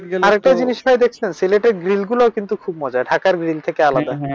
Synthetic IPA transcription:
aɾek̚ʈad͡ʑiniʃbʱaed̪ekʰt͡ɕʰensileʈeɾɡɾilɡulookint̪ukʰub̚mɔd͡ʑaeɖʱakaɾɡɾilt̪ʰekealad̪a

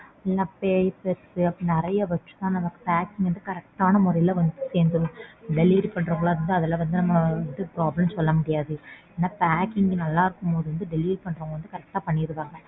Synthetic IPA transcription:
ɛlːãːpeːjpːeɾkɯɐpːɐnɛɾɐjɐʋɐʈːɯ̥t̪ãːnɐmɐkːɯ̥paːkɪŋɡʋɐnd̪ɯkɐɾɛk̚ʈaːnɐmʊɾɐjɪlɐʋɐnd̪ɯseːnd̪ɯ̃ɖɛliʋɾpɐɳːɾɐŋɡɐɭaːɪɾɯnd̪ɯɐðɛlːɐʋɐnd̪ɯnɐmːɐɐnd̪ɯpɾaːblɐmsɔlːɐmʊɽɪjaːðɯeːnːaːpaːkɪŋɡnɐlːãːɪɾɯkːɯmpoːðɯʋɐnd̪ɯɖɛliːʋɾpɐɳːɾɐːŋɡɐʋɐnd̪ɯkɐɾɛk̚ʈaːpɐɳːɪɪɾɯkaːŋɡɐ

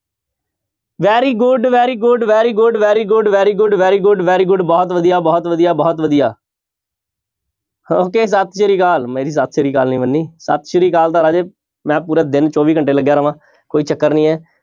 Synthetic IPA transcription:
ʋɛːɾiːɡʊɖʋɛːɾiːɡʊɖʋɛːɾiːɡʊɖʋɛːɾiːɡʊɖʋɛːɾiːɡʊɖʋɛːɾiːɡʊɖʋɛːɾiːɡʊɖbɔːt̪ʋəd̪ijaːbɔːt̪ʋəd̪ijaːbɔːt̪ʋəd̪ijaː | oːkeːs̬ət̪ʰʃəɾiːkaːlmeːɾiːs̬ət̪ʰʃəɾiːka̰ːlnĩːʋənːiːsə̰t̪ʰʃəɾiːkaːlt̪ãːɾaːd͡ʒeː | mɛ̃ːpuːɾɛːd̪ɪnt͡ʃɔːʋiːkəɳʈeːləɡjaːɾəʋãː | koːiːt͡ʃəkːəɾnĩːɛː

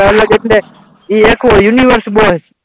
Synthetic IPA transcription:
ələɡekɳeː | iːeːkʰʋoːjuniːʋəɾsɓoː

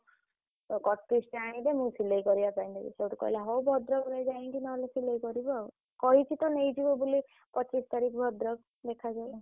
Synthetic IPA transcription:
ɔkɔʈkɾisʈiaɽ̃ĩd̪emũsilejkɔɾibapajnd̪ibḭt͡ʃʰewʈɔkɔ̰ɦilaɦowbʱɔd̪ɾɔbɾed͡ʒaĩŋkinɔolesilejkɔɾibɔ | kɔɦit͡ʃʰit̪ɔnejd͡ʒibɔbuli | pɔt͡ʃist̪aɾikʰɔbʱɔd̪ɾɔk̚ | d̪ekʰad͡ʒajl

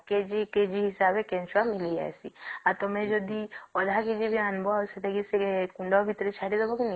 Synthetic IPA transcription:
ked͡ʒiked͡ʒiɦisabekẽnt͡ʃamilid͡ʒa̰esiaɾt̪ɔmẽd͡ʒɔd̪iɔd̪ʱaked͡ʒibʱianbɔset̪ʰekiseekuɳɖɔbʱit̪ɾet͡ʃʰaɽid̪ebɔkin

